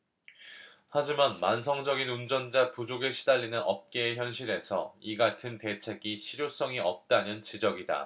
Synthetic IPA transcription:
had͡ʑimanma̰ns̬ʰʌŋd͡ʑʌɡinund͡ʑʌnd͡ʑapud͡ʑoɡɯɭɕʰi̥daʎːinɯnʌ̰p̚k͈e̞çjʌnɕʰiɾe̞sʰʌiɡatʰɯnte̞t͡ɕʰe̞ɡiɕʰiɾjos͈ʌŋiʌp̚t͈anɯnt͡ɕid͡ʑʌɡida̰

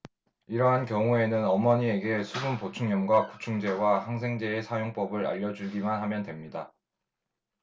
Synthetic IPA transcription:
iɾʌɦankjʌŋue̞nɯnʌmʌɲie̞ɡe̞sʰubunpot͡ɕʰuŋɲʌmɡwaku̥t͡ɕʰuŋd͡ʑe̞wahaŋs̬ʰe̞ŋd͡ʑe̞ːsʰajoŋp͈ʌbɯɾa̰ʎːʌd͡ʑuɭɡimanɦamjʌndwe̞mɲida

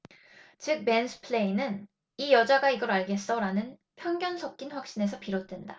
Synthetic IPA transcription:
t͡ɕɯk̚mensʰɯ̥pʰɭe̞inɯn | ijʌd͡ʑaɡaiɡʌɾaɭɡe̞s͈ʌɾanɯn | pʰjʌŋɡjʌnsʰʌk̚k͈inɸwak̚ɕ͈ine̞sʰʌpiɾot̚t͈we̞nda

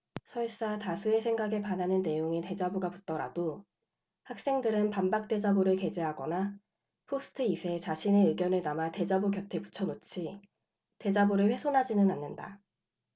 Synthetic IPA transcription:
sʰʌis͈atasʰue̞sʰe̞ŋɡaɡe̞pananɯnne̞joŋite̞d͡ʑaboɡaput̚t͈ʌɾa̰do | hak̚s͈e̞ŋdɯɾɯnpambak̚t͈e̞d͡ʑaboɾɯɭke̞d͡ʑe̞ɦaɡʌ̰na | pʰosʰɯ̥tʰɯisʰe̞t͡ɕaɕʰine̞ɯɡjʌnɯɭnamate̞d͡ʑaboɡjʌtʰe̞pu̥t͡ɕʰʌnot͡ɕʰi | te̞d͡ʑaboɾɯɭɸwe̞sʰonɦad͡ʑinɯnanːɯnda̰

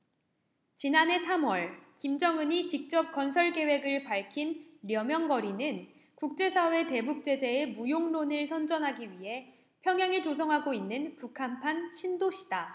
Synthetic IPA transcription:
t͡ɕinane̞sʰamwʌɭkimd͡ʑʌŋɯɲit͡ɕik̚t͡ɕ͈ʌp̚k͈ʌnsʰʌɭke̞we̞ɡɯɭpaɭkʰinɾjʌmjʌŋɡʌɾinɯn | kuk̚t͡ɕ͈e̞sʰawe̞te̞buk̚t͡ɕ͈e̞d͡ʑe̞ːmujoŋnonɯɭsʰʌnd͡ʑʌnɦaɡiɥiɦe̞ | pʰjʌŋjaŋet͡ɕosʰʌŋɦaɡoinːɯnpukʰampʰanɕʰindoɕʰi̥d̥a

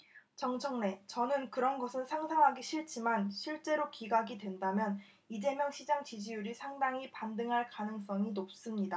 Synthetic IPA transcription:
t͡ɕʌŋt͡ɕʰʌŋne̞t͡ɕʌnɯnkɯɾʌnɡʌsʰɯnsʰaŋsʰaŋɦaɡiɕʰiɭt͡ɕ͈imanɕʰiɭt͡ɕ͈e̞ɾokiɡaɡidwe̞ndamjʌn | id͡ʑe̞mjʌŋɕʰid͡ʑaŋt͡ɕid͡ʑijuɾisʰaŋdaŋipandɯŋɦaɭkanɯŋs͈ʌŋinop̚s͈ɯmɲida

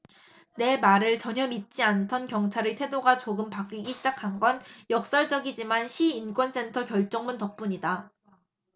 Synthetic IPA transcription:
ne̞maɾɯɭt͡ɕʌɲʌmit̚t͡ɕ͈iantʰʌnkjʌŋt͡ɕʰaɾitʰe̞doɡat͡ɕoɡɯmpak͈iɡiɕʰid͡ʑakʰanɡʌnjʌk̚s͈ʌɭd͡ʑʌɡid͡ʑimanɕʰiːnk͈wʌns͈e̞ntʰʌkjʌɭt͡ɕ͈ʌŋmuntʌk̚p͈uɲida

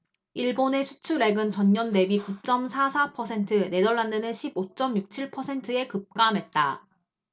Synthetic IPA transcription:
iɭbone̞sʰu̥t͡ɕʰuɾe̞ɡɯnt͡ɕʌɲɲʌnde̞bikut͡ɕ͈ʌmsʰasʰapʰʌsʰe̞ntʰɯne̞dʌɭːandɯnɯnɕʰibot͡ɕ͈ʌmjuk̚t͡ɕʰiɭpʰʌsʰe̞ntʰɯe̞kɯp̚k͈amɦet̚t͈a

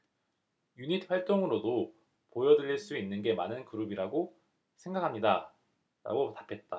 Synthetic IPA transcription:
juɲitʰɸwaɭt͈oŋɯɾodo | pojʌdɯɾiɭs͈uinːɯnɡe̞manɯnkɯɾubiɾaɡo | sʰe̞ŋɡakʰamɲida | ɾa̰ɡotḁpʰe̞t̚t͈a

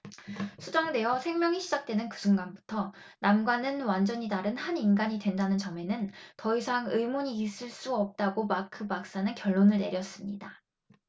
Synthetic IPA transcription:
sʰud͡ʑʌŋde̞jʌsʰe̞ŋmjʌŋiɕʰid͡ʑak̚t͈wenɯnkɯsʰuŋɡanbu̥tʰʌ | namɡwanɯnwand͡ʑʌɲidaɾɯnhaninɡaɲidwe̞ndanɯnt͡ɕʌme̞nɯntʌisʰaŋɯimoɲiːs͈ɯɭs͈uʌp̚t͈aɡomakʰɯbak̚s͈anɯnkjʌɭːonɯɭne̞̰ɾjʌs͈ɯmɲida

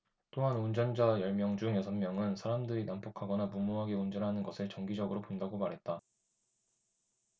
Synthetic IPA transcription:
t͈oɦanund͡ʑʌnd͡ʑajʌɭmjʌŋd͡ʑuŋjʌsʰʌnmjʌŋɯnsʰaɾamdɯɾinampʰʌkʰaɡʌnamumoɦaɡeund͡ʑʌnɦanɯnɡʌsʰɯɭt͡ɕʌŋɡid͡ʑʌɡɯɾopondaɡomaɾɦe̞t̚t͈a

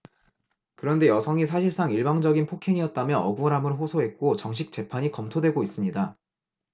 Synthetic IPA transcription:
kɯɾʌnde̞jʌsʰʌŋis̬ʰaɕʰiɭs͈aŋiɭbaŋd͡ʑʌɡinpʰokʰeŋiʌt̚t͈amjʌʌɡuɾamɯnɸosʰoɦe̞t̚k͈ot͡ɕʌŋɕ̬ʰik̚t͡ɕ͈e̞pʰaɲikʌmtʰodweɡois͈ɯmɲida

